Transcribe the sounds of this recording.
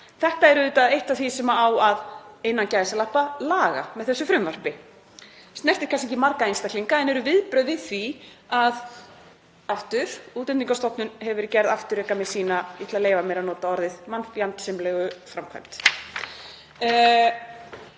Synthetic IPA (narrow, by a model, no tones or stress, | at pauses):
θɛht̪aɛɾʏʏːt̪aðejht̪aθisɛmaawaðejnːancaːjðsalahpalaːɣa̰mɛðθɛsːʏfɾʏmvar̥pɪ | st̪nɛr̥t̪ɪɾ̥kʰans̬eɲcɪmaɾkaejnst̪ak̪liŋkaɛnɛɾʏvɪðpɾœːɥvɪðθvi | að | aft̪ʏɾ̥uːt̪ɛnt̪iŋkast̪ɔhpnʏnhɛvʏɾcɛɾðaft̪ʏɾɛːkamɛðsiːnait̪laleːjvamɛːɾanɔːt̪aɔɾðɪðmanpjant̪sɪmlɛɣʏfɾamkʰva̰jm̥t̪